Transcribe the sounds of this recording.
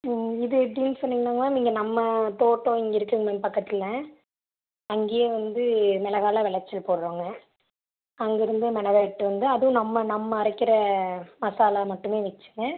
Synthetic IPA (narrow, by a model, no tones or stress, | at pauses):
ɪðɯɛp̬ːɽiːnːɯsɔnːiŋɡɐnːaːŋɡɐnaːiːŋɡɐnɐmːɐt̪oːʈːõːɪŋɡɐɪɾɯkːɯŋɡɐmɛnpɐkːɐt̪ːɪlɐ̃ | ɐŋɡeːjeːʋɐnd̪ɯmɛlɐɣaːlaʋɛɭɐt͡ʃːɪlpoːɽɯɾoːŋɡɐ | ɐŋɡɐɪɾɯnd̪ɯmɛnɐʋɐʈːɯʋɐnd̪ɯɐðɯʋʊ̃nɐmːɐnɐmːɐːɾɐkːɪɾɐmɐsaːlaːmɐʈːɯmeːʋɛt͡ʃːɯŋɡɐ